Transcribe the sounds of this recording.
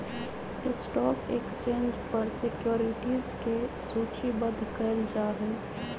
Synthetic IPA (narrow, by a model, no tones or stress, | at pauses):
ɪsʈɔːkḛkst͡ʃẽːnd͡ʒpɐɾsɪkjoːɾɪʈiːzke | suːt͡ʃibɐd̪ʱkɐɾd͡ʒaːɦɛː